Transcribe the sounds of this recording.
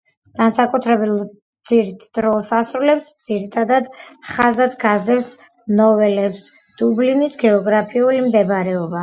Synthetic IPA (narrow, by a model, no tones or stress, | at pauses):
ɡ̥ansakʼut̪ʰɾɛbilˠ | d̪z̥iɾt̪ʰd̪̥ɾɔlˠsasɾulɛpsd̪z̥iɾit̪ʰad̪ad̪χazad̪ɡazd̪ɛs | nɔvɛlɛps | d̪̥ublinisɡɛɔɡɾapʰiulimd̪ɛbɾɛɔba